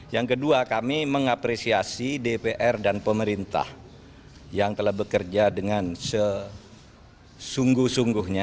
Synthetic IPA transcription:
jaŋkəduakamiməŋapɾesiasidepeʔɛrdanpəməɾint̪a̰h | jaŋt̪əlahbəkərd͡ʒadəŋansə | suŋɡʊhsuŋɡʊhɲa

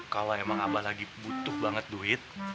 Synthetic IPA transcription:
kaloemaŋabalaɡibut̪ʊhbaŋət̪̚duɪt̪̚

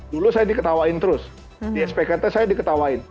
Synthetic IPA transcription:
dulusajadikət̪awaɪnt̪əɾʊs | diɛspekərt̪asajadikət̪awaɪn

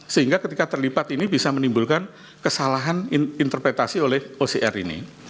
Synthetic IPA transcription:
səɦiŋɡakət̪ikat̪ərlipat̪inibisamənimbulkan | kəsalaɦanint̪ərpɾet̪asiolɛhoseʔɛrḭnḭ

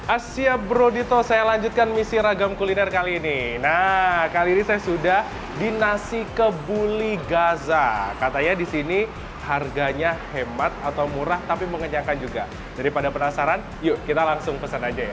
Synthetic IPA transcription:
ʔasiabɾodit̪osajalaɲd͡ʒʊt̪̚kanmisiɾaɡamkulinɛrkaliːninakaliːnisajasudah | dinasikəbuliɡazakat̪aɲadisini | harɡaɲahemat̪̚at̪awmuɾaht̪apiməŋəɲakand͡ʒuɡa | daɾipadapənasaɾan | jukit̪alaŋsʊŋpəsanad͡ʒaja

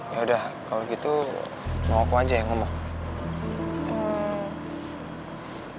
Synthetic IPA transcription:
jaudahkaloɡit̪u | maokoad͡ʒajaŋɔmɔ

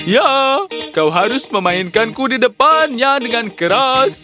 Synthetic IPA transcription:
jakawɦaɾʊsməmãinkankudidəpanjadəŋankəɾas

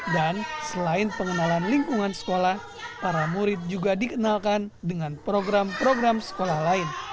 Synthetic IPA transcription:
dansəlaɪnpəŋənalanliŋkuŋansə̥kolah | paɾamuɾɪt̪̚d͡ʒuɡadikənalkandəŋanpɾoɡɾampɾoɡɾamsə̥kolahlaɪn

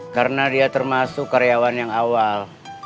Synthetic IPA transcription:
kaɾənadiat̪ərmasʊkːaɾeawanjaŋawal

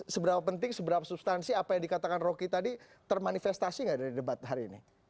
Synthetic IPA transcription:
səbəɾapapənt̪ɪŋsəbəɾapasupst̪ansiapajaŋdikat̪akanrokit̪adi | t̪ərmanifɛst̪asiŋɡaʔdaɾidəbat̪̚ɦaɾiːni

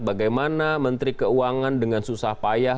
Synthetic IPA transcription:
baɡajmanamənt̪ɾikəuaŋandəŋansusahpaja

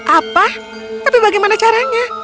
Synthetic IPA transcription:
ʔapa | t̪apibaɡɛjmanat͡ʃaɾaɲa

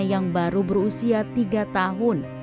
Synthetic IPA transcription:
jaŋbaɾubərusiat̪iɡat̪aɦʊn

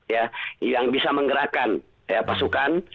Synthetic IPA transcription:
jajaŋbisaməŋɡəɾakan | japasukan

